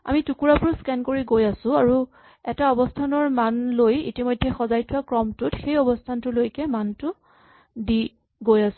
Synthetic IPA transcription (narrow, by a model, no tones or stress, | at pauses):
a̰mitukuɹapʊɹskɛnkoɹiɡojasʊ̃aɹu | ɛtaɔbɔstʰanɔɹmanlojḭtimɔjdʱːɛxɔzajtʰʊwakɹɔmtʊtxejɔbɔstʰantʊlojkɛmantʊ | di | ɡojasʊ̥̃